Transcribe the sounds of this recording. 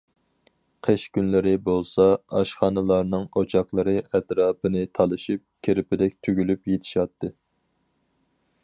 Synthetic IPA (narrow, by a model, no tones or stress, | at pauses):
qʰeʃkʲynlɪɾɪbolˠsɑɑʃχɑːnɨlˠɑɾnɨŋot͡ʃʰɑχlˠɨɾɨʔɛt̪ɾɑːbɨnɨt̪ʰɑlˠɨʃip̚kʲʰeɾɪpɪd̪ɛk̚ʲt̪ʰyɡʲylypjet̪ʰɪ̥ʃɑt̪ʰːɨ